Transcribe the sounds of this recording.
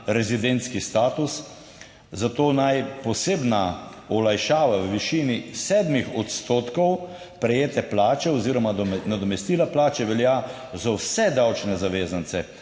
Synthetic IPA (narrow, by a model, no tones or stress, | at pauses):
ɾɛzid̪ent̪skist̪aːt̪us | zat̪oːnajpɔseːbna | ɔlajʃaːʋawʋiʃiːnisɛːd̪mixɔt̪st̪oːt̪kɔw | pɾɛjeːt̪ɛplaːt͡ʃɛɔziːɾɔmanad̪ɔmɛst̪iːlaplaːt͡ʃɛʋɛlja | zawsɛd̪awt͡ʃnɛzaʋeːzant̪sɛ